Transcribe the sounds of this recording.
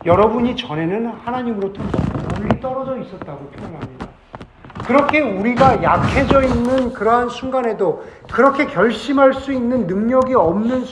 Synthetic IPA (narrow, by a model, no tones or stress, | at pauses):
jʌɾʌbuɲit͡ɕʌne̞nɯnhanaɲimɯɾotʰobʌoɭːit͈ʌɾʌd͡ʑʌis͈ʌt̚t͈aɡopʰjojʌɦamɲida | kɯɾʌkʰe̞uɾiɡajakʰe̞d͡ʑʌinːɯnkɯɾʌɦansʰuŋɡanɦe̞do | kɯɾʌkʰe̞kjʌɭɕ͈imɦaɭs͈uinːɯnːɯŋɲʌɡiʌmnɯns